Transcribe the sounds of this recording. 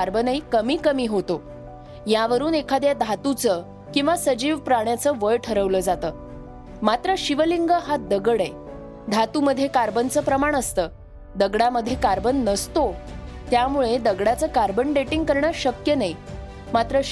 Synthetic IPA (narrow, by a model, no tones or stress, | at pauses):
aɾbənəikəmiːkəmiːɦot̪o | jaʋəɾuːnekʰad̪jad̪ʱat̪ut͡sə | kĩw̃ʋasəd͡ʑiːʋpɾaɳjat͡səʋəɭʈʰəɾəʋləd͡zat̪əː | mat̪ɾəɕiʋəliŋɡəɦad̪əɡəɽe | d̪ʱat̪uməd̪ʱːjekaɾbənt͡səːpɾəmaɳ̃əst̪əː | d̪əɡɽaməd̪ʱːjekaɾbənːəst̪o | t̪jamuɭed̪əɡɽat͡səkaɾbənɖeʈiŋɡ̚kəɾɳjaɕəkjənai | mat̪ɾə